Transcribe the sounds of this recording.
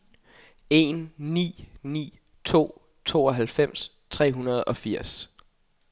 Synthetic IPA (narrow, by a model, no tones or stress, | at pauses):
e̝nːḭːnḭː | t͡sʰo̝̰ː | t͡sʰo̝̰ːɒ̽ɦælfem̰s | t͡sʰʁɛ̰ːɦunɐð̞̩ˠɒ̽fiɐ̰s